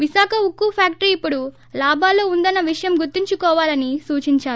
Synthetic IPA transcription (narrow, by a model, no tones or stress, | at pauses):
ʋiʃaːkʰɐukːupʰaːkʈɐɾiːpːuɽu | laːbʱaːloːund̪ɐnːɐʋiʂɐjɐmɡuɾt̪ːiɲt͡ʃukɔːʋaːlɐnisuːt͡ʃiɲt͡ʃaːɾu